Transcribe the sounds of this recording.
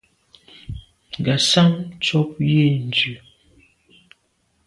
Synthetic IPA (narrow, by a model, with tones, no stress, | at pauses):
ŋ˨ɡa˨sa˦mt͡ʃɔ˦p̚je˦˨n̩˨d͡ʒʉ˨